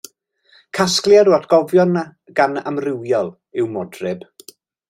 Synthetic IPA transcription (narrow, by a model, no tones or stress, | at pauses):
kʰasklˠjaɾuatʰɡ̥ɔvjɔna | ɡana̰mrɪwjɔlˠ | ɪwmɔdrɪb̥